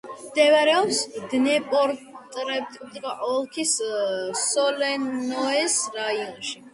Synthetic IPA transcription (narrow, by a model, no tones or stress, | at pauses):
md̪ɛvaɾɛɔpsd̪nɛpʼɔɾt̪ʼɾɛp̚t̪ʼd̪ɡaʔɔlˠkʰis | sɔlɛnɔɛsɾaiɔnʃi